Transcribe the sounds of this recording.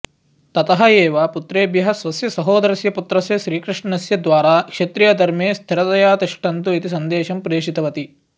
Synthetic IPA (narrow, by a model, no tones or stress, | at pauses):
t̪ɐt̪ɐɦɐeːʋaːput̪ɾeːbjɐɦɐsʋɐsjɐsɐɦoːd̪ɐɾɐsjɐput̪ɾɐsjɐʃɾiːkɾiʂɳɐɐsjɐd̪ʋaːɾaːkʂet̪ɾijɐd̪ʱɐɾmeːst̪ʰiɾɐt̪ɐjaːt̪iʂʈɐnt̪uit̪isɐnd̪eːʃɐmpɾeːʂit̪ɐʋɐt̪i